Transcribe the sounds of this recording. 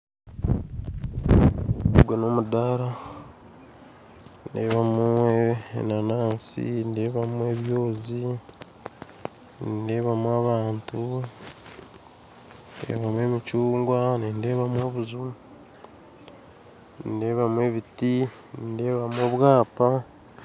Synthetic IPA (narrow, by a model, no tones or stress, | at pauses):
uɡweno̞ːmudaɾa | nde̞̰ːβamṵ | nanaːnsḭnde̞ːβamue̞βjo̞ːzi | nde̞ːβamwaβaːntu | dḛːβamwe̞ːmit͡ʃuːŋɡwaninde̞ːβamwo̞βuzu | nde̞ːβamwe̞βiti | nde̞ːβamwoβwaːpa